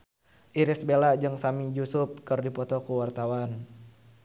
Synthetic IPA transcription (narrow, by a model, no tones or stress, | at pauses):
ʔiɾɪsbelad͡ʒɨŋsamid͡ʒusʊp̚kɨrdipɔt̪ɔkuwart̪awan